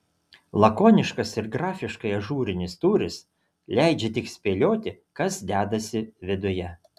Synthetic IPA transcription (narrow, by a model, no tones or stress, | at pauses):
lˠɐkoːnʲɪʃkɐsɪɾɡɾɑːfʲɪʃkɐɪɐʒuːɾʲɪnʲɪst̪uːɾʲɪs | lʲæˑɪd͡ʒʲɛt̪ʲɪksʲpʲeːlʲoːt̪ʲɪ | kɐsd̪ʲæːd̪ɐsʲɪʋʲɪd̪ʊjɛ